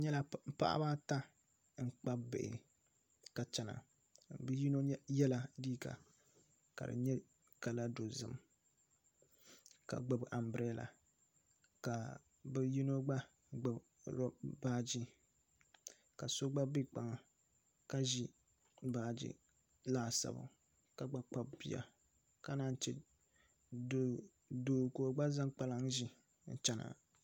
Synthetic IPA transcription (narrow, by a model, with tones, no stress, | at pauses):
ɲɛ˦la˦m̩˦pa̰˦ʔa̰˦ba˦ta˦ | ŋ̩˦˨k͡pa˦bɪ˨ɪ̰˨ | ka˨t͡ʃɛ˨na̰˨ | bji˦no˦jɛ˦la˦diː˦ka̰˨ | ka̰˨dɨ̰˨ɲɛ˦ | ka˨la˦do˨zɨ̰˦m | ka̰˨ɡ͡ba˦bʔa˨m˨bɨ˨ɾɛ˦la̰˨ | ka˨ | bɛ˦ji˦no˦ɡ͡ba˦ | ɡ͡ba˨b | ɾɔ˦baː˦d͡ʒi˦ | ka˨so˦ɡ͡ba˦bi˦k͡pa˨ŋa˨ | ka˦ʒi˦ | baː˦d͡ʒḭ˦ | laː˦sa̰˨bʊ̰˨ | ka˦ɡ͡ba˦k͡pa˦bbḭ˦ja̰˨ | ka˦na˦n˦t͡ʃɛ̰˨ | do˨ | do˨koː˨ɡ͡ba˦za˦ŋk͡pa˦la˦ŋʒi˦ | n̩˨t͡ʃɛ˦na̰˨